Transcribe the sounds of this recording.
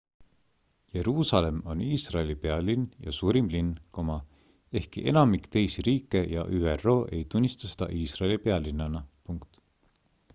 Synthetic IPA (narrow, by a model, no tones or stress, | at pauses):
je̞ɾuːsɑle̞mo̞niːsrɑelipeɑlinjɑ̰suːɾimlinkomɑ | e̞hkiʔe̞nɑmikt̪e̞jsiɾiːkːˑe̞jɑ̰ʔyːero̞ːʔe̞̰jt̪unʲːist̪ɑse̥d̪ɑ̰ʔiːsrɑelipe̞ɑlinːɑnɑpuŋkt̪